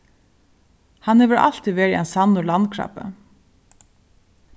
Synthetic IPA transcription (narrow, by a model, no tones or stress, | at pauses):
hanhɛʋəɾa̰l̥t̪ʰiʋeːɾiɛnsanːʊlankʰɹa̰pə̰